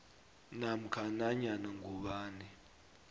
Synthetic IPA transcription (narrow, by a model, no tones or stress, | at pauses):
nam̩kʰanaɲanaŋɡʱuɓaːni